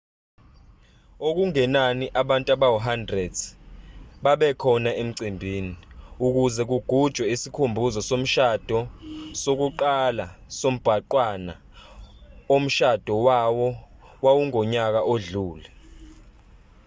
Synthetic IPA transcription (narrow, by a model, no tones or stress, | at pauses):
ok̬uŋɛnaniʔaɓantʼaɓawɔɦandrɛd | ɓaɓɛkʰɔnaʔem̩ǀimbʱiːniuk̬uzɛk̬uɡ̥ʱud̥ʒ̥ʱwɛisikʰumbʱuzɔsom̩ʃad̥ʱɔsok̬uǃalasom̩b̥ʱaǃwana̰ | om̩ʃad̥ʱɔwawɔwawuŋɔɲak̬aʔoɮuːlɛ